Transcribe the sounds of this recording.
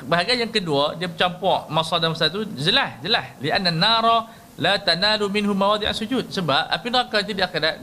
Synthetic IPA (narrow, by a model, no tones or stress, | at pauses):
baɦaɡajaŋkəduədiəbət͡ʃampɔʔmasɔdaməsat̪ud͡ʒəlahd͡ʒəlahliʔanːanːaɾɔ | lat̪analumɪnɦumːawad̪ˤiʔa̰sud͡ʒut̪̚səbap̚a̰pinakat̪̬udiakedat̪̚